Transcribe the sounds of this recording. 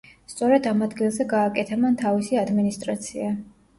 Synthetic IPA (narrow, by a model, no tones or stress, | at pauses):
st̪sʼɔɾɛd̪amad̪ɡilˠzɛɡaːkʼɛt̪ʰamant̪ʰavisiad̪minist̪ʼɾat̪sʰia